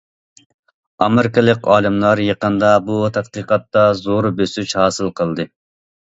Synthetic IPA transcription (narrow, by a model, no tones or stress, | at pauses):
ɑmɪɾɪkɪlˠɪkʲɑːlˠɨmlˠɑɾjəqənd̪ɑbut̪ʰɑt̪qəqɑt̪ːɑzoɾbøsyt͡ʃhɑːsɨlˠqʰəlˠd̪ɨ